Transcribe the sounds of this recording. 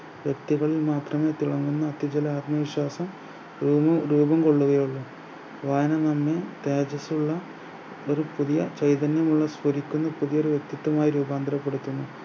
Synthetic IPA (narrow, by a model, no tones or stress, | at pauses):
ʋjek̚t̪iɣɐɭilmaːt̪rɐme̞ːt̪iɭɐŋɡunːɐːt̪ːjɐd͡ʑɐlɐaːt̪mɐʋiɕwaːsɐm | ɾuːbɐmko̞ɭːuɣɐjuɭːu | ʋaːjɐnɐnɐmːet̪eːd͡ʑɐsuɭːɐ | oɾupuðijɐt͡ɕejt̪ɐnjɐmuɭːɐspoɾikʲːunːɐpuðijoɾuʋjek̚t̪it̪ːɐmaːjiɾuːbaːnd̪ɐɾɐpːeɽut̪ːunːu